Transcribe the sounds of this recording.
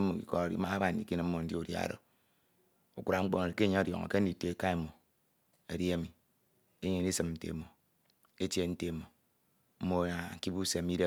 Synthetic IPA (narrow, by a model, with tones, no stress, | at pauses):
mo˨kḭ˨kɔ˦˨ḭ˦ma˦ba˨n̩˨dḭ˨ki˦n˨m̩˦mo˨n̩˦di˦o˨dja̰˨ɾo̰˨ | o˦ku˨ɾa˨ŋ͡m̩˦k͡po˦˨ke˦ɲa˦o˦˨djɔ̰˨ŋo̰˨ke˦n̩˦i˨te˨˦e˦˨ka˦e˨˦mo˨ | e˨di˦e˦mi˨ | e˦ɲe˨˦i˦sɨ˨mn̩˨˦tḛ˨˦mo˨ | e˦tje˦n̩˦te˦˨mo˨ | m̩˦mo˨a˨ŋ̩˦ki˦bu˦se˨˦mi˦de˦